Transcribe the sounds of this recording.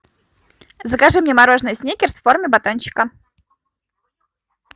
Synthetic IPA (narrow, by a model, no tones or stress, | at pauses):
zəkɐʐɨmnʲemɐɾo̞ʐnɨjsʲnʲekʲɪrsformʲɪbɐt̪onɕɪ̥kə